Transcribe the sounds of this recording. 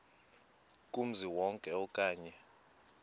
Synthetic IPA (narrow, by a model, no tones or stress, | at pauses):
kʼum̩ziwɔŋkʼɛɔkʼaːɲɛ